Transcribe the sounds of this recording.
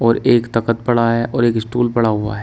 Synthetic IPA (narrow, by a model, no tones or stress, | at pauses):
ɔːɾeːkt̪aːkət̪̚pɐɽaɦɛʔʔɔːɾeːksʈuːlpɐɽaɦʊa̰ɦɛː